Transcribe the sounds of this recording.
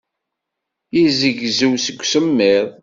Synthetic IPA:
jizəʝzəwsəɡʷsəmːeðˤ

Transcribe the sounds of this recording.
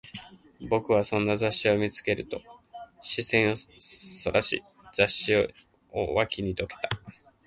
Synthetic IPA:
bo̞kɯ̟βasõ̞nːazaɕːio̞mʲit͡sɨ̥ke̞ɾɯ̟t̪o̞ɕisẽ̞ɰ̃o̞so̞ɾʔaɕḭ | z̥aɕːio | o̰βakʲʰiɲ̟id̪o̞ke̞̥t̪ḁ

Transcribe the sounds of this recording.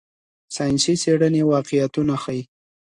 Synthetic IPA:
sɑjnsiseɽənewɑqɪjat̪unaxaji

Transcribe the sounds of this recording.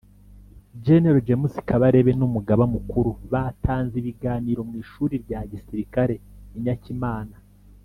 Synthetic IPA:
d͡ʒe̞neɾod͡ʒemusi̥kaβaɾe̞βe̞numuɡaβamukuɾuβaːtʰaːnziβiɡaːniɾo̞mŋiːʃuːɾiɾɟaːɟisiɾikaɾe̞iɲacimaːna

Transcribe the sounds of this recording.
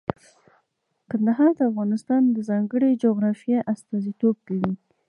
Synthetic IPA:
kand̪aɦɑɾd̪əafɣɑnɪst̪ɑnd̪əzɑŋɡəɽed͡ʒoɣɾɑfjeʔast̪ɑzit̪ob̚kawi

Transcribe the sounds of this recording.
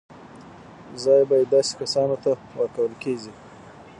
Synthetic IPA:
zɑjbɑjed̪ːɑse̥kasɑnot̪awəɾkawəlkeɡi

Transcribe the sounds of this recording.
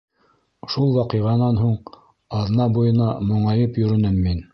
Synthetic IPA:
ʃulˠwɑqɤ̆jʁɑnɑnɦuɴ | ɑðnɑbujɤ̆nɑmŏɴɑjɤpjɵ̆ɾɘ̆nɘmːin

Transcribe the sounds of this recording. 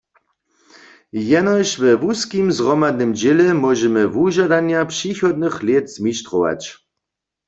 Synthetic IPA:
jɛnɔjʃvɛvuskimzʁɔmad̪̚nɨmd͡ʑelɛmɔʒɛmɘvuʒad̪anjapʂixɔd̪̚nɨxlʲjet̪z̥miʃt̪rɔʋa̰t͡ɕ

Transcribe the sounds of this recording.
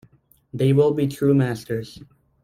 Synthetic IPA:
ðeɪwɪlˠbitʰɹumæstə˞z̥

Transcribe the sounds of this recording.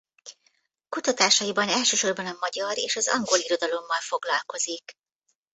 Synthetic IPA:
kut̪ɒt̪aːʃɒjibɒnɛlʃøːʃo̞rbɒnɒmɒɟɒɾeːʃɒzɒ̰ŋɡo̞liɾo̞d̪ɒlo̞mːɒlfo̞ɡlɒlko̞zik

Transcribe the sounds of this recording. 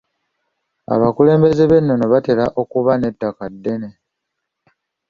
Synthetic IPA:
a̰βakule̞ːmbe̞ze̞βe̞nːo̞no̞βate̞laʔo̞kuβane̞tːakadːe̞ne̞

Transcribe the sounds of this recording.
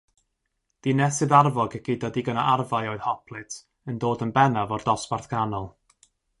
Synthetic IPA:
d̥inɛsɨðarvɔɡəɡ̥ɪdadiɡənaʔarvajɔɨð̥hɔpʰlˠɨtʰ | əndoːdənbɛnavɔrdɔsparθɡ̥anɔlˠ

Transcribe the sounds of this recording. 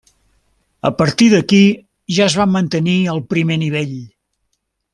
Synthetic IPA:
ə̰pəɾt̪iðəki | ʒaəzβamːənt̪əniəlˠpɾimeniβ̞eʎ

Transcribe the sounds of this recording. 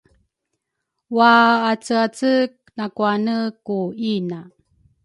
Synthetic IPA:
waːt͡səat͡sək̚ | nakuanəkuina

